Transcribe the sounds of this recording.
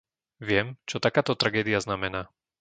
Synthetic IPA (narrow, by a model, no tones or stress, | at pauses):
ʋɪɛmt͡ʃɔt̪akaːt̪ɔt̪ɾaɡɛːd̪ɪjaznamɛnaː